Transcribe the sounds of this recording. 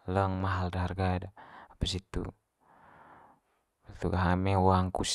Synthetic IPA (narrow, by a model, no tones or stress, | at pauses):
ləŋmaɦaldaɦarɡadaapasit̪ṵ | t̪uɡaɦamɛwaŋkus